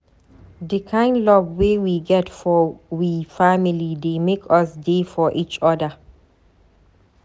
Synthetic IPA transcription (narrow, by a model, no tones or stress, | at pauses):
dikʰãɪ̃ndlɔbwewiɡɛtfɔwifamilidemekʰʌsdefɔʔit͡ʃɔdə